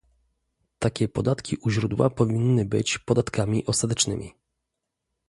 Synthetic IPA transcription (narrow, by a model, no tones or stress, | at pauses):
t̪akʲɛpɔd̪at̪kʲiʔuʑɾud̪wa̰pɔvʲinːɘbɘt͡ɕpɔd̪at̪kamʲiʔɔst̪at̪ɛt͡ʂnɘmʲḭ